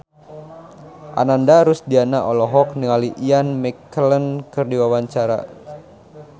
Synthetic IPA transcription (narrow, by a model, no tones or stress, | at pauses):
ʔa̰nandaɾusdianaʔɔlɔɦɔk̚nəŋaliʔianmɛkələnkɨrdiwawaɲt͡ʃaɾa̰